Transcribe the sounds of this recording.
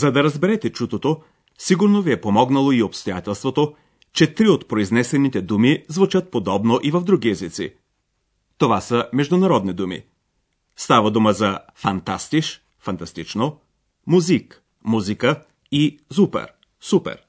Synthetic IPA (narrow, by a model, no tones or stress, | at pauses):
zɐd̪ɐɾɐzbɛɾɛt̪ɛt͡ʃut̪ot̪o | siɡuɾnoviɛpomɔɡnɐlˠoiopst̪ojat̪ɛlˠst̪vot̪o | t͡ʃɛt̪ɾiot̪pɾoiznɛsɛnit̪ɛd̪umizvut͡ʃət̪̚pod̪ɔbnoʔivɐvd̪ɾuɡiɛzit̪sḭ | t̪ovasəmɛʒd̪ʊnɐɾɔd̪nid̪umḭ | st̪avɐd̪uməzɐ | fɐnt̪a̰st̪iʃ | fɐnt̪ɐst̪it͡ʃno | muzik | muzikə | izupɛ̰ɾ | supɛ̰ɾ